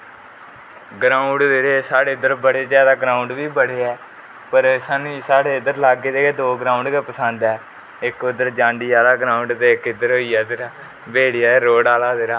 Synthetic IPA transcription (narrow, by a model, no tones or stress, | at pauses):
ɡɾãːʊ̃ɳɖd̪eːɾeːsaːɽeːɪd̪əɾbəɽeːd͡ʒaːd̪aːɡɾãːʊɳɖʋiːbəɽeːɛː | pəɾsaːnũːiːsaːɽeːɪd̪əɾlaːɡeːd̪eːkeːd̪oːɡɾãːʊ̃ɳɖkeːpəsənd̪ɛː | ɪkʊd̪əɾd͡ʒãːɳɖiːaːd̪aːɡɾaːʊɳɖt̪eːɪkɪd̪əɾɦoːiːjaːd̪ɾaː | beːɽijaːeːɾoːɽaːlaːd̪eːɾaː